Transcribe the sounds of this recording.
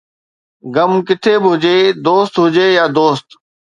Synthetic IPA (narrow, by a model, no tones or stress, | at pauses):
ɡəmkɪt̪ʰeːbɪɦʊd͡ʑeːd̪oːst̪ɦʊd͡ʑeːjaːd̪oːst̪